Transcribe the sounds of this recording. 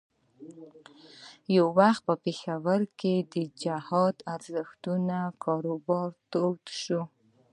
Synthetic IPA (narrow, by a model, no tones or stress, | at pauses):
jawːaxt̪̚pəpexawaɾked̪əd͡ʒahɑd̪aɾzəxt̪unakɑɾobɑɾt̪ot̪ʃu